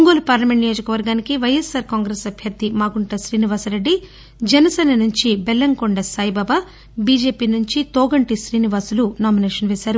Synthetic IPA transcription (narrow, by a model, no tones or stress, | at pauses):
uŋɡoːlɐpaːɾlɐmeɳʈnijoːd͡ʒɐkɐʋɐɾɡaːnikiʋɐjesːaːɾkaːŋɡɾeːsɐbʱjɐɾd̪imaːɡuɳʈɐʃɾiːniʋaːsɐɾeɖːi | d͡ʒɛnɐsɛːnɐnuɲt͡ʃibɛlːɐŋkoɳɖɐsaːjibaːbɐ | biːd͡ʒe̞ːpiːnuɲt͡ʃit̪oːɡɐɳʈiʃɾiːniʋaːsulunaːmineːʂɐnʋɛːsaːɾu